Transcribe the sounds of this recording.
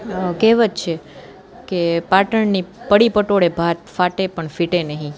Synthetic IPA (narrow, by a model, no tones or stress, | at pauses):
keʋət͡ʃt͡ʃʰe | kepaʈəɳnipəɽipəʈoɽebʱat̪faʈepəɳfiʈenəɦĩ